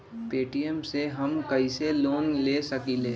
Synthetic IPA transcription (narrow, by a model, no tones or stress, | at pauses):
peːʈijemseɦɐmkɐiseloːnleːsɐkileː